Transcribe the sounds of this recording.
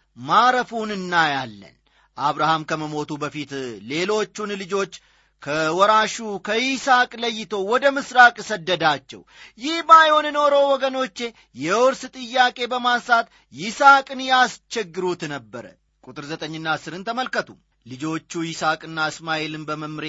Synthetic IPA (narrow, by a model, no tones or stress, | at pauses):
maɾəfunɨnːajalːə̰n | ʔaβɾahamkʰəməmo̞t̪ʰubəfit̪le̞lo̞t͡ʃːunlɨd͡ʒo̞t͡ʃː | kʰəwɔɾaʃukʰəɪsakʼləjːɪt̪ʰo̞wɔd̪əmɨsɾakʼsəd̪ːəd̪at͡ʃːɛ̰wjɪhbajonɨno̞ɾowɔɡəno̞t͡ʃːe̞ | jɛwɔɾst̪ʼɨjːakʼe̞bəmasat̪ | jɪsakʼɨnjast͡ʃɛɡːɨɾut̪nəbːəɾə̰ | kʼut̪ʼɨɾzət̪ʼəɲːɨnːasɨɾɨnt̪ʰəməlkət̪ʰum | lɨd͡ʒo̞t͡ʃːujɪsakʼɨnːaɨsmaelɨnbəməmɾe